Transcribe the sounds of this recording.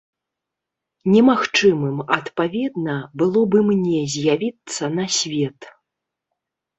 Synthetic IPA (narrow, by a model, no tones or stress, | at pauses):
nʲɛmaxt͡ʂɨmɨmɐt̪pavʲɛd̪nɐbɨlˠɔbɨmnʲɛzʲjavʲit̪sːɐnɐsʲvʲɛt̪